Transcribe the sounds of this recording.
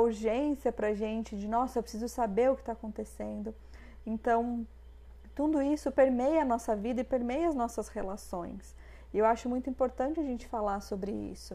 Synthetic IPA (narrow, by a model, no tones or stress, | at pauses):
uɾʒẽsiɐpɾɐʒẽnt͡ʃɪd͡ʒɪnɔsɐewpɾe̥sizʊsabeɾʊkɪ̥t̪aːkõnt̪esẽnd̪ʊ | ẽnt̪ɐ̃w̃ | t̪ud̪ʊisʊpeɾmejɐnɔsɐvid̪ɐɪpeɾmejɐɐznɔsɐshelasõj̃s | ɪewaʃʊmũj̃t̪ʊĩpoɾt̪ɐ̃nt͡ʃɪɐʒẽnt͡ʃɪ̥falaɾsobɾɪḭsʊ